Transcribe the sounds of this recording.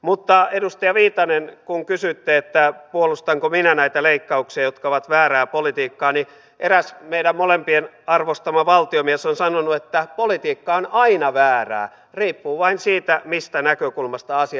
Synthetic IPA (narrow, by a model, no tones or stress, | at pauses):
mut̪ːɑedust̪iɑʋiːt̪ɑnenkuŋkysyt̪ːeet̪ːæpuolust̪ɑŋkominænæit̪æleikːɑuksiɑjot̪kɑoʋɑt̪ʋæːræːpolit̪iːkːɑːni | ʔeræsmeiɾæmmolempien | ɑrʋost̪ɑmɑʋɑlt̪iomiesonsɑnonuet̪ːæpolit̪iːkːɑonɑinɑʋæːræ̰ː | riːpːuːʋɑinsiːt̪æmist̪ænækøkulmɑst̪ɑɑsi